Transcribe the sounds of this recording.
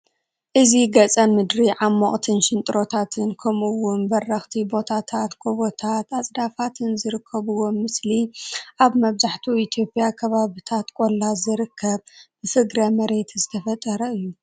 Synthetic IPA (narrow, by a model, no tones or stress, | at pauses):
ʔɨziɡɐt͡sʼɐnmɨd̪ɾiʕamːoχʼt̪ʰɨnʃɪnt̪ʼɨɾo̞t̪ʰat̪ʰɨnkʰɐmuwʊnbɐrːɐxt̪ʰibo̞t̪ʰat̪ʰat̪kʰoβot̪ʰat̪asʼd̪afat̪ʰɨnzɨɾɨkʰːɐβɨwo̞mɨsliʔaβmɐβzaħt̪ʰuit̪ʰjo̞pʼjakʰɐβaβit̪ʰat̪kʼo̞lːazɨɾɨkʰːɐβbɨfɨɡɾamɐɾe̞t̪zɨt̪ʰɐfɐt̪ʼːɐɾɐɨjːu